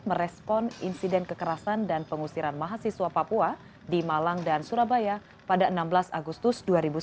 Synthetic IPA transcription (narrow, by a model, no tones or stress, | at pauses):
məɾɛspɔnḭnsidɛnkəkəɾasandanpəŋusiɾanmaɦasiswapapua | dimalaŋdansuɾabaja | padaʔənambəlasa̰ɡust̪ʊsduaɾibu